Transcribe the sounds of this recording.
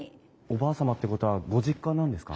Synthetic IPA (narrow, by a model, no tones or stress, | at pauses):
o̞baːsamat̪ːe̞ko̞t̪o̞βaɡo̞ʑikːanãnd̪e̞sɨ̥ka̰